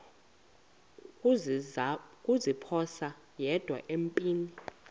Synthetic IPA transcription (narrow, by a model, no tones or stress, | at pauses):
kʼuzipʰɔsa | jɛd̥ʱwa̰ʔempʼiːni